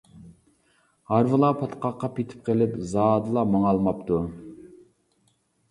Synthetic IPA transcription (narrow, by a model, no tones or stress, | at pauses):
hɑɾvɨlˠɑpʰɑt̪qɑqːɑpit̪ʰɪ̥p̚qʰelɪpzɑːd̪ɨlˠɑmɑŋɑlˠmɑp̚t̪u